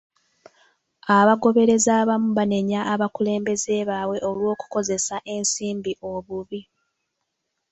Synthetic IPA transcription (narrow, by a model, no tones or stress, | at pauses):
aβaɡo̞βe̞ɾe̞zaːβamuβane̞ɲaːβakule̞ːmbe̞ze̞βawe̞ʔolwo̞ːku̥ko̞ze̞saʔe̞nsiːmbiʔo̞βuβi